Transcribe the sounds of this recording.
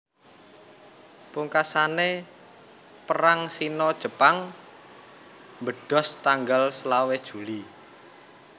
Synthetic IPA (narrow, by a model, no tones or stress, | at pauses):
puŋkasane | pəɾaŋsinɔd̥ʒ̥ə̤paŋ | mbəɖ̥ɔ̤st̪aŋɡalsəlawed̥ʒ̥ṳli